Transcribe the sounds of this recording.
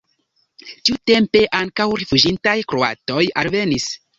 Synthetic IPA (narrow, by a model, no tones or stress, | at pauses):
tiute̞mpe̞ʔaŋkawɾefud͡ʒintajkɾo̞a̰to̞jalve̞nis